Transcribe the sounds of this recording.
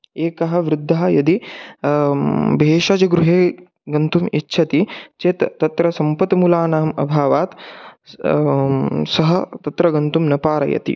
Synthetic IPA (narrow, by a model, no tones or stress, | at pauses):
eːkɐɦɐʋɾud̪ʱːɐɦɐ̆jɐd̪i | bʱeːʂɐd͡ʒɐɡɾuɦeː | ɡɐnt̪umitːʃʰɐt̪it͡ʃeːt̪t̪ːɐt̪ɾɐsɐmpɐt̪mulaːnaːmɐ̰bʱaːʋaːt̪ | sɐɦɐt̪ɐt̪ɾɐɡɐnt̪umnɐpaːɾɐ̰jɐ̰t̪ḭ